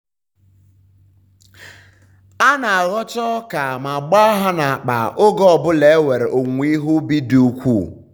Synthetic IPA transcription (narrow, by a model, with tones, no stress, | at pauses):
a˦na˨a˨ɣɔ˦t͡ʃɔ˦ka˨ma˨ɡ͡ba˦ɦa˦na˨a˨k͡pa̰˨ʔʊ˦ɡɔ˦ɔ˨bʊ˦le˨˦we˨ɾe˨ʔo˨ŋʷi˦ɦʊ˦bi˦du˨u˦kʷu˦˨